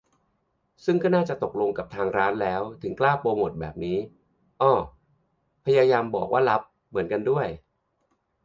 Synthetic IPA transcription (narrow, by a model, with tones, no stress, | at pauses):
sɯ˥˩ŋkɔː˥˩naː˥˩t͡ɕa˨˩t̪o˨˩k̚lo˧ŋka˨˩p̚t̪ʰaː˧ŋɾaː˦˥nlɛː˦˥wt̪ʰɯ˩˦ŋklaː˥˩poː˧mo˨˩t̪̚bɛ̰ː˨˩p̚niː˦˥ | ʔɔː˧˩ | pʰa˧jaː˧jaː˧mbɔ̰ː˨˩k̚wʔaː˥˩la˦˥p̚ | mːɯ˩˦ənka˧ndu˥˩əj